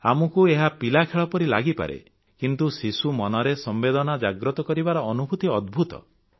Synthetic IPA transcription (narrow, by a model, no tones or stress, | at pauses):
amɔkueɦapilakʰeɭɔpɔɾila̰ɡipa̰ɾḛ | kint̪usisumɔnɔɾesɔmbed̪ɔnad͡ʒaɡɾɔt̪ɔkɔɾibaɾɔːnubʱut̪iɔd̪̚bʱut̪ɔ̰